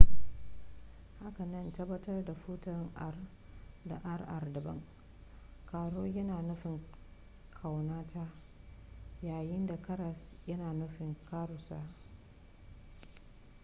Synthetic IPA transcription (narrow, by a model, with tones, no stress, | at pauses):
ha˦ka˨nɐ˦ntɐ˦bːɐ˦tɐ˦rda˨ɸʊ˦tɐ˨ŋʔa˨r | da̰˨ʔa˦rʔa˨rdɐ˨bɐ̰˦ŋ | kaː˨ɽoː˦jɐ˦naː˨nʊ˦ɸɪ˨ŋ | kʰa˨wnaː˦tʰaː˦ | jaː˨jɪ˦nda˨kɐ˦ɾɐ˨sjɐ˦naː˨nʊ˦ɸɪ˨ŋkaː˦ɽʊ˨sa̰ː˦